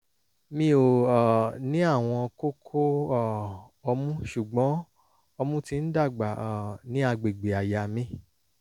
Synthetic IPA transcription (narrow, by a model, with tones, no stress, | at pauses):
mĩ˧o˨ɔ˨nĩ˦a˦˨w̃ɔ̃˧ko˦kʰo˦ɔ˦˨ | ɔ˧mũ˦ʃu˨ɡ͡bɔ̃˨˦ | ɔ˧mũ˦tĩ˧n̩˦da˦˨ɡ͡ba˨nĩ˦a˧ɡ͡be˨ɡ͡be˨a˨ja˨mĩ˦